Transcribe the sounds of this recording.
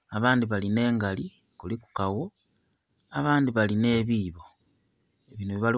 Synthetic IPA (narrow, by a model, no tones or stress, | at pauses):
aβaːndiβaline̞ːŋɡali | kuliku̥kawo | aβaːndiβaline̞ːβiːβo̞ | eβiːnuβiβali